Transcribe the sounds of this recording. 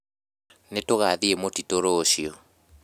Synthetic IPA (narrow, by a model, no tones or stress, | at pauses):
netoɣaðiemotitoɾoʃiɔ